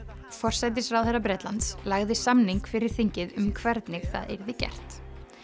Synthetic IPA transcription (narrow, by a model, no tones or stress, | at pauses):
fɔr̥sajt̪̬ɪsrawðɛrapɾɛːt̪lant̪slaɣðɪsamniŋkfɪɾɪɾ̥θiɲcɪðʏmkʰvɛɾt̪nɪɣθa̰ðḛjɾðɪcɛ̰r̥t̪